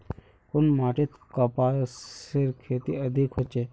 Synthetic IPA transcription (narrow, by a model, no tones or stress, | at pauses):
kʊnmaːʈit̪kɐpaːseɾkʰeːt̪ḭɐd̪ʱikɦɔt͡ʃe